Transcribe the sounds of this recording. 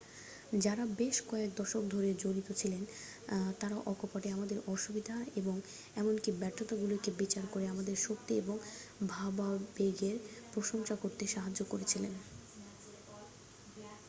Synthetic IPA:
d͡ʑaɾabeʃkɔek̚d̪ɔʃok̚d̪ʱoɾed͡ʑoɾit̪ot͡ɕʰilen | t̪aɾaʔɔkʰopaʈeamad̪eɾɔʃubid̪ʱaeboŋ | ɛmonkibɛʈʰːot̪aɡulokebit͡ɕaɾkoɾeamad̪eɾʃok̚t̪ieboŋbʱababeɡeɾpɾoʃoŋʃakoɾt̪eʃaɦad͡ʑːokoɾet͡ɕʰilen

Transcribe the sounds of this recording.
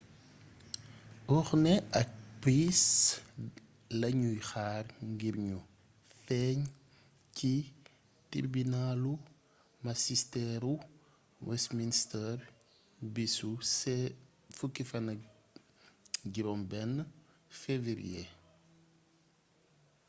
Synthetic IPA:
ʔɔxnɛɐk̚pɾis | lɐɲujxaːrŋɡiɾɲu | fɛɲ | ci | tḭɾbinalu | masistɛɾu | wɛsministɛr | bisusɛ | fukːifɐnɐ | ɟiɾɔmbɛn | feviɾḭe

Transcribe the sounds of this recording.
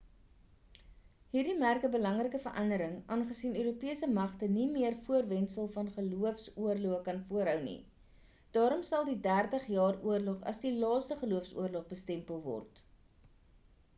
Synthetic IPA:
ɦiːrdimærkəbəlɐŋrəkəfərʔɐndəɾəŋʔɑːnχəsinøːɾupiəsəmɐχtənimiərfuərvɛnsəlˠfɐnχəluəfsuərluəkɐnfuəɾɦœwnḭ | d̥ɑːɾɔmsɐlˠdidærtəχjɑːruərlɔχɐ̰sdilɑːstəχəluəfsṵərlɔχbəstɛmpəlˠvɔ̰rt

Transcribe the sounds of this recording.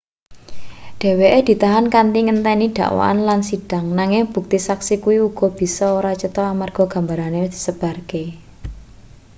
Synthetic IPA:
ɖ̥e̤weʔed̪̥i̤t̪aɦankant̪iŋənt̪ɛniɖ̪̥a̤̰ʔwa̰a̰nlansiɖ̥a̤ŋnaŋɪŋb̥ṳk̚t̪isaksikuwiuɡ̥ɔ̤b̥i̤sɔoɾat͡ʃət̪ɔamarɡ̥ɔ̤ɡ̥ä̤mbaɾaned̪̥i̥səb̥a̤rke

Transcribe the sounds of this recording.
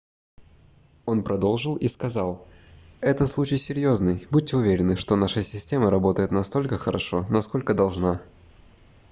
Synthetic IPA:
o̞npɾɐd̪o̞lˠʐɨlˠiskɐzɑlˠ | ɛt̪əslˠut͡ɕɪjsʲɪɾʲjo̞znɨjbut̚ʲtʲːɪʊvʲeɾʲɪnɨʂt̪onaʂəsʲɪsʲtʲe̞məɾɐbo̞t̪əjɪt̪nɐst̪o̞lʲkəxəɾɐʂo̞nɐsko̞lʲkəd̪ɐlˠʐna

